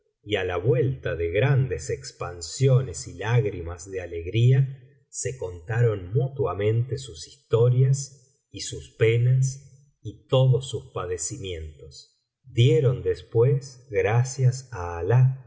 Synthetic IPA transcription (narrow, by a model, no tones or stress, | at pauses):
ialaβwe̞lt̪aðeɣɾand̪esekspansjo̞nesilaɣɾimazðeale̞ɣɾia | se̞ko̞nt̪aɾo̞nmut̪wamẽ̞nt̪esusi̥st̪o̞ɾjas | isuspenas | it̪o̞ðosːuspaðesimjẽ̞nt̪os | d̪jeɾo̞nd̪espwesɣɾasjasaːla